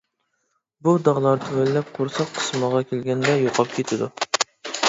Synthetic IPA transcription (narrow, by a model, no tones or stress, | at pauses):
bud̪ɑʁlˠɑɾd̪ʰølːɛp̚qʰʊɾsɑqʰə̥sməʁɑkʲʰelɡʲɛnd̪ɛjoqʰɑp̚kʲʰet̪ʰɪd̪u